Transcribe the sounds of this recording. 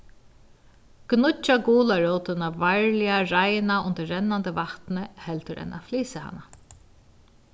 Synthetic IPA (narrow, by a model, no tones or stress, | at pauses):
ɡ̥nʊt͡ʃːaɡuːlaɹɔːt̪ɪnavaɹlɪaɾajnaʊnt̪əːɛnːant̪əvaht̪nəhɛlt̪ʏɾʔɛ̰nʔa̰fliːsɪha̰nːa